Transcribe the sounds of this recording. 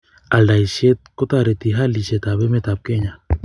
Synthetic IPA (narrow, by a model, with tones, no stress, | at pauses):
a˨lda˨i˨ʃɛ˦t̪̚ko˦t̪a˨ɾɛ˨t̪i˨ɦa˦li˨ʃɛ˨t̪a˨βɛ˦mɛ˦˨t̪a˨p̚kɛ˦ɲa˨